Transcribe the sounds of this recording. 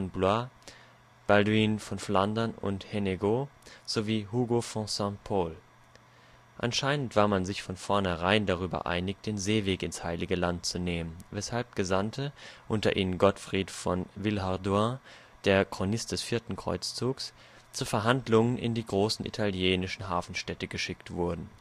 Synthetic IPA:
nblwa | b̥adiːnfɔnflandɐnʊ̰ntheneɡoz̥oviːɦuːɡofɔ̃sɛ̃pʰoːl | ʔa̰nʃaɪnəntv̥aːɐmanzɪçfɔnfɔɐnhɛʁ̞aɪndaʁ̞yːbɐ̰ʔa̰ɪnɪk̚d̥eːnzeːveːkɪnshaɪlɪɡəlant̚t͡suneːmənvɛshalp̚ɡ̥əzantʰəʔʊntɐ̰ʔḭːnənɡɔtfʁ̥iːtfɔ̰nvɪlɦaɐdwa | d̥eːɐkʁ̥onɪstd̥ɛsfiːɐtn̩kʁ̥ɔ̰ʏt͡st͡suːks | t͡suːɐfɛɐɦandlʊŋənʔɪ̰ndiːɡʁoːsn̩ʔḭtʰaljeːnɪʃn̩ɦaːfn̩ʃtɛtəɡ̥əʃɪktv̥ʊɐdn̩

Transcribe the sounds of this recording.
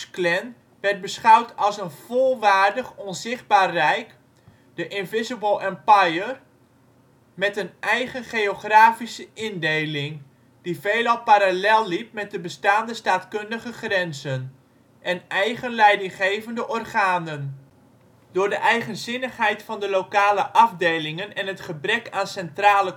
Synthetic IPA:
klɛn | ʋɛrtd̚bəsχʌwtʰɑlˠsənv̥olˠʋaːrdəχɔnzɪχd̚baːrrɛjk | d̥əʔɪnvɪzəbəlˠɛmpajər | mɛtənʔɛjχənχejoχraːfisəʔɪndejlɪŋ | d̥ivejlɑlˠpaɾalɛlˠːip̚mɛt̚dəbəstaːndəstaːtkɵndəχəχrɛnzən | ʔɛnɛjχənlɛjdɪŋχejvəndəʔɔrχaːnən | d̥ʊːɹdəʔɛjχənzɪnəχɦɛjtfɑndəlowkaːləʔɑvdejlɪŋənɛnɦətχəbrɛkaːnsɛntraːlə

